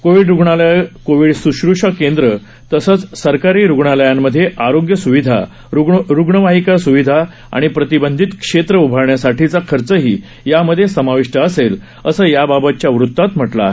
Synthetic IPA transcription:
koʋiɖɾuɡɳalkoʋiɖsuɕɾuʂakend̪ɾə | t̪əsət͡ssəɾkaɾiːɾuɡɳaləjamːəd̪ʱːjeʔaɾoɡjəsuʋid̪ʱa̰ | uɾuɡɳəʋaɦikasuʋid̪ʱa | a̰ɽ̃ipɾət̪ibənd̪ʱit̪kʂet̪ɾəubʱaɾɳjasaʈʰit͡sakʰəɾt͡səɦiː | jaməd̪ʱjesəmaʋiʂʈəəsel | əsəːjababət̪̚t͡ɕjaʋɾut̪ːat̪m̤əʈla̰

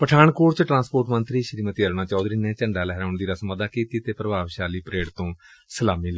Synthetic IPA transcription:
pəʈʰaːɳkoːɾt͡ʃʈɾãːspoːʈmənt̪ɾiːʃəɾiːmət̪iːəɾnaːt͡ʃɔːd̪ɾiːnẽːt͡ʃəɳɖaːlɛɦɾːʊɳd̪iːɾaːsəməd̪aːkiːt̪iːt̪eːpɾəbaːʋʃaːliːpɾeːɽt̪õːsəlaːmiːlɛ

